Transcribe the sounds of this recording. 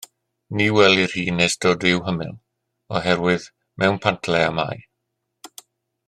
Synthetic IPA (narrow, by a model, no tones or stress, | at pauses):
niwɛlˠir̥hiːnːesdɔdɪwɦəmɪ̰lˠ | ɔɦɛɾwɪð | mʔɛwnpʰantʰlɛama̰j